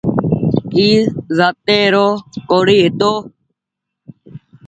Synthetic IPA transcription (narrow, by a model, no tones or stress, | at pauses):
kiːzaːt̪eːɾoːkoːɽiːɦet̪oː